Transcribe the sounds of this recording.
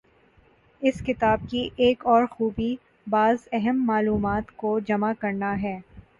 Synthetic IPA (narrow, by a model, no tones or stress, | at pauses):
ɪskɪt̪aːb̚kiʔeːkɔːɾxuːbi | baːzɛɦəmːaːluːmaːt̪kod͡ʒɐmakɐɾnaɦɛː